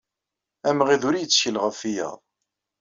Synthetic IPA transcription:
æmʁiðʊɾijət͡sːçəlʁəfijə̰ðˤ

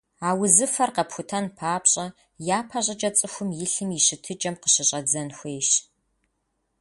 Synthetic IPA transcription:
aːwʊzɨfɐrqɐpxʷʊtʰɐnpʰaːpɕʼɐ | jaːpʰɐɕʼɐt͡ʃʼɐt͡sʼɨxʷʊmjɪɬɨmɪɕɪtʰɨd͡ʒʼɐmqə̥ɕɪɕʼɐd͡zɐnxʷeːʃ

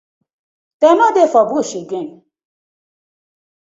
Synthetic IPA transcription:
t̪emãd̪efɔbuoʃeɡẽn

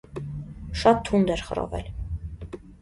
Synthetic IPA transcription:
ʃɑt̪ʰːund̪ɛɾχə̰ɾɔ̰vɛ̰l

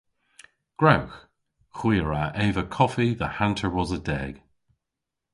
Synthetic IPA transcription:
ɡ̥ɹawx | xwiːɹaeːvəkʰɔfiðəhantʰə˞wɔzədɛ̰ɡ̥

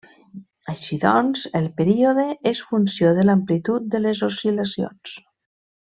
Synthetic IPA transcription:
aʃiðɔnzelˠpeɾioðeesfunsjoðəlamplit̪ut̪̚d̪əlezosilasio̰ns

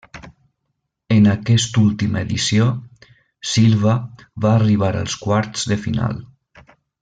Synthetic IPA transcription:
ənəkɛst̪ulˠt̪iməeðisio | silˠβəβaːriβ̞aɾə̰lˠskwaɾt̪z̥ðəfina̰lˠ

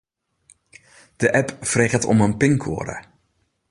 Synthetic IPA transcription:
d̥əʔɛpfreɣətʰɔ̰mənpɪŋkʰo̰ːɾə̰

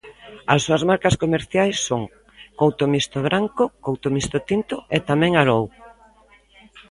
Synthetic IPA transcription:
ɐsːuɐzmaɾkɐskomeɾθjajsːoŋ | kowt̪omist̪oβɾʔaŋkokowt̪omist̪ot̪int̪oet̪amɛ̃ŋaɾow

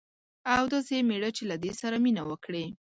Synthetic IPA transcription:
awd̪asemeɽət͡ʃelad̪esaɾaminawəkɽe

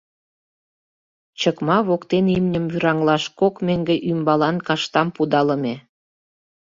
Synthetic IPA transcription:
t͡ɕəkmɑβokt̪enimnʲəmvyɾɑŋlɑʃkokmeŋɡĕʔymbɑlɑnkɑʃt̪ɑmpud̪ɑlə̆mʲe

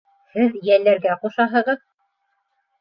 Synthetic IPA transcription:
hɘðjælːæɾɡæquʃɑɦɤ̆ʁɤð

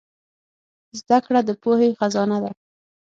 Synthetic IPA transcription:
zd̪akɽad̪əpohexazɑnad̪a

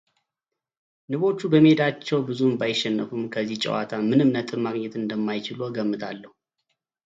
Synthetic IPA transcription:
nɨβo̞t͡ʃːubəmed̪at͡ʃːɛwbɨzumbajɪʃːɛnːəfumkʰəzːiht͡ʃʼɛ̰wa̰t̪ʰamɨnɨmnət̪ʼɨβmaɡɲɛt̪ɨnd̪əmːajt͡ʃɪlo̞ɡəmːɨt̪ʰalːəhu

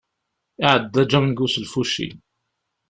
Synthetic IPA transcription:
ɪʕəd̪ːæd͡ʒæmnɡusəlfuʃḭ

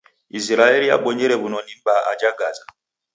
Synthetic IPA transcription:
isiɾaelia̰ɓɔɲeɾeβunonimbaʔa̰d͡ʒaɡaza

